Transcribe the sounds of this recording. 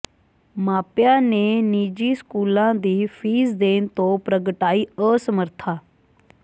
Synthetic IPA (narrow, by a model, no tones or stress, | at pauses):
maːpjãːneːniːd͡ʒiːskuːlãːd̪iːpʰiːzd̪eːnt̪õːpɾəɡəʈaːiːəːsəməɾt̪ʰaː